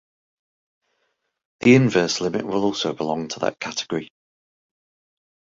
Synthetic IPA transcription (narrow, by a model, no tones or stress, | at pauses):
ðiɪ̃nvɜˑslɪmɪ̰ʔwɪlˠɔˑlˠsoʊbɪlɒ̃ŋtʰəðə̰ʔkʰatɪɡ̥əɹi